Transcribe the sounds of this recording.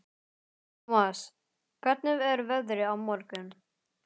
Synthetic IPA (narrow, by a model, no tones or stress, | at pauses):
mas | kʰvɛ̥t̪nʏvɛɾvɛðɾɪawmɔɾkʏn